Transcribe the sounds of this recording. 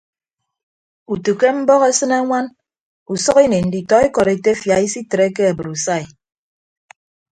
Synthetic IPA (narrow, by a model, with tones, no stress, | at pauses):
u˨tu˨ke˦m̩˦bɔ˦ɣe˦sɨ˦ne˦ŋʷa˦n | u˨sɔ˦ɣi˦ne˨n̩˨di˨tɔ˨˦e˦kɔ˨ɾe˨te˦fja˨i˦si˦tɾe˦ke˦a˨bɨ˨ɾu˨sa˦˨i˨